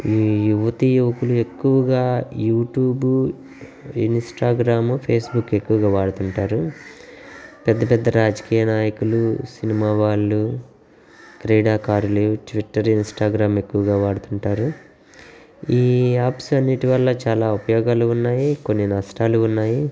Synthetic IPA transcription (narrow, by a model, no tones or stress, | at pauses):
iːjuʋɐt̪ijuʋɐkulue̞kːuʋɐɡaːjuːʈjuːbu | ḭnsʈaːɡɾaːmpʰe̞ːsbukːe̞kːuʋɐɡaːʋaːɽut̪uɳʈaːɾu | pɛd̪ːɐpɛd̪ːɐɾaːd͡ʒɐkiːjɐnaːjɐkulusinimaːʋaːɭːu | kɾeːɽaːkaːɾuluʈʋiʈːɐɾinsʈaːɡɾaːme̞kːuʋɐɡaːʋaːɽut̪uɳʈaːɾu | iːaːpsɐnːiʈiʋɐlːɐt͡ʃaːlaːupɐjɔːɡaːluunːaːjiko̞nːinɐsʈaːluːnːaːji